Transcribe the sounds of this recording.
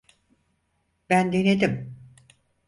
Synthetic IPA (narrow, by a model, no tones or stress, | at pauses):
b̥ænd̪ened̪im